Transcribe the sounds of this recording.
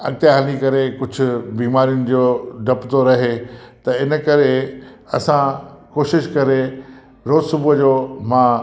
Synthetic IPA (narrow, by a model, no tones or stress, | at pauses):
ɐ̰ɡt̪janikɐɾekʊd͡ʑʱʊ̆biːmaːɾijʊnɪ̆d͡ʑoːɖʱɐpt̪oɾɐɦet̪ɐɪnəkɐɾe | ɐsãkoːʃɪʃkɐɾe | ɾoːzsʊbʊd͡ʑoːmã